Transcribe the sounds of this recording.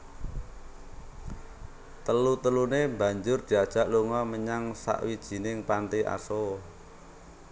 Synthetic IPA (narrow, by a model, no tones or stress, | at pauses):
t̪əlut̪əlunemba̤ɲd͡ʒʊrd̪̥i̤ad̥ʒ̥ä̤ʔluŋɔməɲaŋsa̰ʔwid̥ʒ̥i̤nɪŋpant̪iʔa̰so